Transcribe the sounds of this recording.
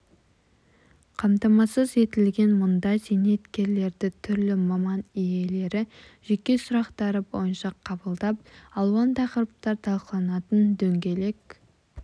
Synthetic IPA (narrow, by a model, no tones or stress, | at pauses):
qʰɑmt̪ɑmɑsəze̞t̪ɪlɡʲe̞nmʊnd̪ɑjzene̞t̪kʲe̞ɾle̞ɾd̪ɪt̪ʰʏɾlɪmɑmɑnije̞le̞ɾɪ | ʒ̥e̞kʲːe̞sʊɾɑqt̪ɑɾəbo̰jənʃɑqʰɑbəlˠd̪ɑp̚ɑlˠwɑnt̪ʰɑqəɾəp̚t̪ɑɾt̪ʰɑlˠqəlˠɑnɑt̪ənd̪ɵŋɡʲe̞le̞k